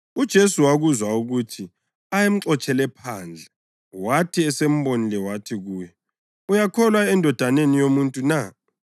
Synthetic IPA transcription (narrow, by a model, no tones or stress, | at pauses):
ud̥ʒ̥ʱesuwaɣuzwauɣutʰi | ajem̩ǀɔt͡ʃʰʼɛlɛpʰaːnd͡ɮʱɛ | watʰiɛsem̩βonilɛwatʰiɣuːjɛ | ujakʰɔlwaɛndʱɔd̥ʱanenijomuntʼuna